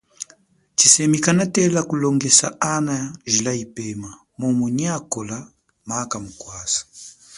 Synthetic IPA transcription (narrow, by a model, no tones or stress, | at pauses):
t͡ʃisɛmikanatɛlakulɔŋɡɛsaʔanaʒilaipɛma | mɔmuɲakɔla | makamukwasḁ